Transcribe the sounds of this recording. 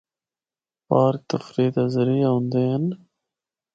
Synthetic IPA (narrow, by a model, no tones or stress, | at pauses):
paːɾk̚t̪ɐfɾiːt̪ɐzɐɾijaund̪eːn